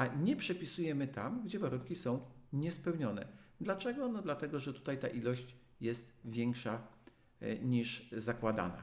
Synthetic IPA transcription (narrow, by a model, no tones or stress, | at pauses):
aɲɛpʂɛpʲisujɛmɘt̪amɡd͡ʑɛvaɾuŋkʲisɔ̃w̃ɲɛspɛwɲɔnɛ̰d̪lat͡ʂɛɡɔnɔd̪lat̪ɛɡɔʐɛt̪u̥t̪ajt̪a̰ʔilɔɕt͡ɕ | jɛst̪vʲjɛŋkʂa | ɲiʂzakwad̪a̰na̰